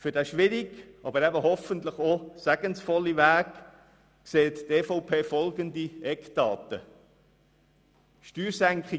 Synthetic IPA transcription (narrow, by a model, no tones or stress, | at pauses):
fʏdæʃʋɪɾiɡʔɑbəɾɛbəhɔfənt̪ləχosæɡ̥ənsfɔlːiʋæːk | kseːt̪tɛːfɔʊpʰeːfɔlɡəndiɛkdɑːtə̰ | ʃtyːɾsæŋkχi